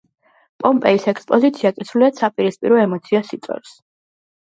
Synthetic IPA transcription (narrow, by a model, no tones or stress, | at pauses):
pʼɔmpʼɛisɛkʰspʼɔzit̪sʰiakʼisɾuliad̪sapʼiɾispʼḭɾɔɛmɔt̪sʰiasit̪sʼɔ̰ɾs